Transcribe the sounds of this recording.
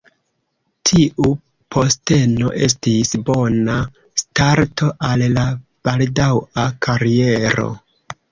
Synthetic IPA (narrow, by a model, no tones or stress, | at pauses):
tʰiʔu | pʰo̞ste̞no̞̰ʔe̞̰s̬tisbo̞na | staɾtʰo̞ʔalla | b̥aldawakʰaɾie̞ɾo̞̰